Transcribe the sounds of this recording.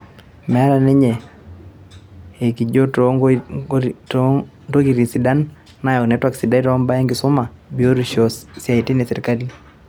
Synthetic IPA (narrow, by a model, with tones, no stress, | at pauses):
mɛ˨˦ɾa˨ne˦ɲe˨ | e˨ki˨d͡ʒo˦toŋɡ | t | to˦ki˨ɾi˨si˨da˦n | na˨jɔ˨nɛ˨˦twa˦ksi˨da˦i˦ɾɔ˦mba˦ɛ˦ŋɡɪ˨sʊ˦ma˨bi˨o˦ɾi˨ʃo˨ssja˨i˨ti˦ne˨sɛ˨ɾi˨ka˦li˦